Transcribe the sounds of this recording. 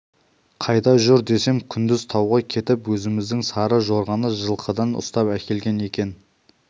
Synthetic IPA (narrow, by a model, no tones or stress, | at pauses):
qʰɑjd̪ɑʒʏɾd̪e̞se̞mkʲʰʏnd̪ɪz̥t̪ʰɑwʁɑkʲʰe̞t̪ɪpwɵzɪmɪzd̪ɪŋsɑɾəʒo̞ɾʁɑnəʒəlˠqʰəd̪ɑnʊ̰st̪ɑpækʲe̞lɡʲe̞ne̞kʲe̞n